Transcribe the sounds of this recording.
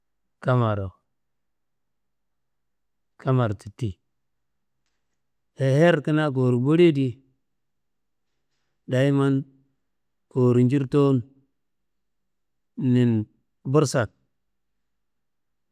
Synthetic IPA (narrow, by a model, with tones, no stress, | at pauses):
ka˦ma˨ɾo˨ | kʰa˦ma˨ɾti˨ti˨ | he˨he˦ɾki˦na˦k̬o˨ɾu˨bu˦ɾe˦di˦ | da˨i˦ma˦n | ko˨ɾi˨nd͡ʒi˦ɾto˦n | i˨n | bu˦ɾsa˨k̚